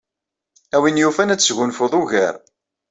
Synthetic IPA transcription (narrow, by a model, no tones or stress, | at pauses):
æwinjufænæt͡sːsʝʊnfoðˤuʝə̰ɾ